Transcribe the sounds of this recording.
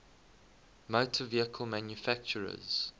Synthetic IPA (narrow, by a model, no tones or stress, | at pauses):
moʊtʰəviəkʰəlˠmæ̃njufæk̚t͡ʃəɹə̰z̥